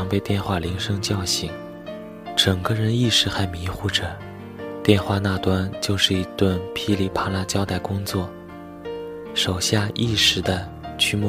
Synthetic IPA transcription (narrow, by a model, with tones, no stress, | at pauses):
ŋpe˥˧ɪt̪jɛ˥˧nxwa˥˩li˧˥ŋʂɤ˥ŋt͡ɕjɑ˥˧ʊɕi˧˩ŋ | ʈ͡ʂɤ˨˩ŋɡə˦ɻə˧˥ni˥˩ʂɻ̩˧˥xa˧˥ɪmi˧˥xu˥˩ʈ͡ʂə˩ | t̪jɛ˥˧nxwa˥˧na˥˩t̪wa˥nt͡ɕjo˥˧ʊʂɻ̩˥˩i˧˥t̪wə˥˩npʰi˥li˥˩pʰa˧˥la˥t͡ɕjɑ˥ʊt̪a˥˩ɪkʊ˥ŋt͡swɔ˥˩ | ʂo˨˩ʊɕja˥˧ʔi˥˩ʂɻ̩˧˥d̪ə˧ | t͡ɕʰy˥mw